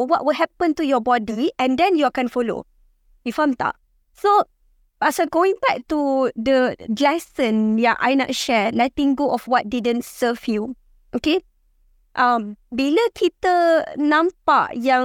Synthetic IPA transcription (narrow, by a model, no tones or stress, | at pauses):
wɔʔ̚wəlɦɛpə̃ntujɔbɔdiɛ̃ndɛ̃njuakɛ̃nfɔlo̰ | ifãmt̪a̰ʔ | so | asaɡoĩŋbɛk̚tudəlɛsə̃njaʔa̰jnɔ̰ʔ̚ʃɛlɛtĩŋɡoʔɔfwɔt̚didə̃ntsəfju | ʔoke | ʔãmbiləkʰitənãmpa̰ʔjã